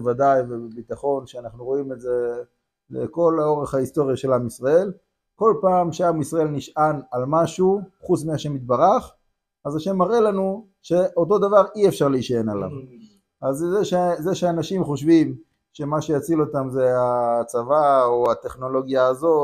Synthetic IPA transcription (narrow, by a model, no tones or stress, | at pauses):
vadajvebebitaχo̞nʃeanaχnuʁo̞ime̞ze̞ | lḛko̞lao̞ʁeχhaist̪o̞ʁjaʃe̞lamisʁae̞l | ko̞lpaːmʃeamisʁaelniʃanalmaʃuχut͡smiaʃe̞mit̪̚baʁaχ | azaʃe̞mːaʁe̞lanu | ʃe̞ʔo̞to̞d̪avaʁiefʃaʁleiʃaenala̰m | azzeʃezeʃeanaʃimχo̞ʃvim | ʃe̞maʃe̞jat͡silo̞t̪amze̞at͡savaoat̪e̞χno̞lo̞ɡjaːzo̞